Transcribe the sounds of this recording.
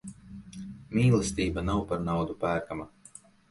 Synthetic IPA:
mʲiːlˠɛst̪ʲiːbanawpaɾnawd̪upæːɾkama

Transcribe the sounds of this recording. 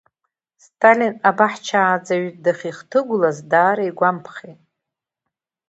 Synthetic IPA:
stʰʼalinabaħt͡ʃʰaːd͡zaɥtdaχʲiχtʰɨɡʷʊlazdaːɾaiɡʷampʰχʲejtʼ

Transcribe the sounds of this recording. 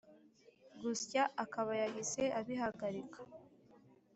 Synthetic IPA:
ɡuscaːkaβajaɡize̞ʔaβiɦaɡaɾikʰḁ

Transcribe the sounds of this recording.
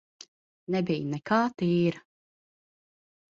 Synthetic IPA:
nɛbijnɛkaːt̪iːɾ

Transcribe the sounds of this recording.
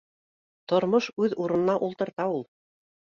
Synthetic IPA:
t̪ŏɾmoʃʉðuɾɤ̆nɤ̆nɑʔulˠt̪ɤ̆ɾt̪ɑulˠ

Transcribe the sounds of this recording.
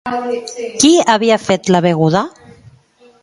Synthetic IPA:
kiaβiafet̪laβeɣuða

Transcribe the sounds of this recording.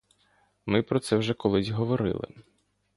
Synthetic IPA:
mɪpɾɔt̪sɛwʒɛkɔlˠɪzʲɦɔʋɔɾɪ̰lˠɪ̰

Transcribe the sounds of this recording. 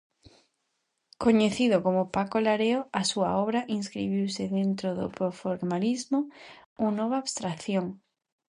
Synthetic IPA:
koɲeθiðʊkomʊpakolaɾeoasuɐ̰ɔβɾaʔinskɾḭβ̞iwsɪðent̪ɾoðʊ̰pɾofoɾmalizmʊunɔβ̞aːβst̪ɾaθjoŋ

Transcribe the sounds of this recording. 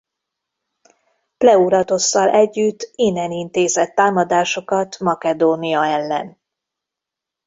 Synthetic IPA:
plɛuɾɒt̪o̞sːɒlʔɛɟːyt̪ːinɛnint̪eːzɛt̪ːaːmɒd̪aːʃo̞kɒt̪mɒkɛd̪oːnijɒɛlːɛ̰n

